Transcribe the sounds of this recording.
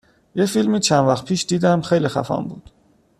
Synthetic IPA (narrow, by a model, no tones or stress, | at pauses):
jefilmiːt͡ʃʰænvæxt̪̚pʰiːʃd̪iːd̪æmxejliːxæ̰fɒ̰ːmbuːd̪̥